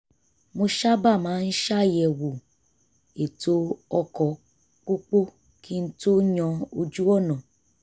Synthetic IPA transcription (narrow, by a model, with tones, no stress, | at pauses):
mo˧ʃa˦ba˦˨mãː˨˦n̩˦ʃa˦˨jɛ˨wo˨ | e˨to˧ɔ˧kɔ˨ | k͡po˦k͡po˦ | kʰi˦n̩˦to˦ɲɔ̃˧o˧d͡ʒu˦ɔ˦˨nɔ̃˨